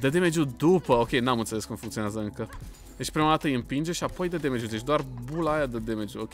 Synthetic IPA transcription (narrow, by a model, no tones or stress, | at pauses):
d̪əd̪eme̞d͡ʒud̪upəo̞kʲe̞jnamɨnt̪seleskumfuŋkt̪sionazəɨŋkə | d̪et͡ʃʲpɾimad̪at̪əjɨmpind͡ʒeʃiapo̞jd̪əd̪eme̞d͡ʒʲut̪et͡ʃ̬d̪oarbulajad̪əd̪eme̞d͡ʒuokʲe